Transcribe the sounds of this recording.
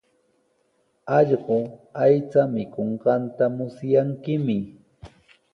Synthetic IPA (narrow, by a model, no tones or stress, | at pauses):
ɑʎɢoajt͡samɪkoɴɢɑnt̪amʊsjaŋkɪmɪ